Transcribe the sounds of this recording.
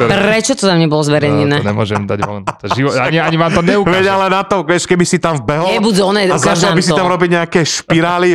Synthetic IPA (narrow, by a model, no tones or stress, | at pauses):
pɾɛt͡ʃɔt̪ɔt̪amɲɛbɔlɔzʋɛɾɛjɲɛnɛːɲɛ̰mʊɔ̰ʒɛmd̪a̰ɟʋɔ̰nʒiʋɔaɲiaɲiʋaːmt̪ɔɲɛukʋɛɟalɛnat̪ɔʋɛʃkɛbisit̪amvbɛɦlɛbud̪ɔnɛazat͡ʃalbisit̪amɾɔbiɟɲɛakɛːʃpiɾaːli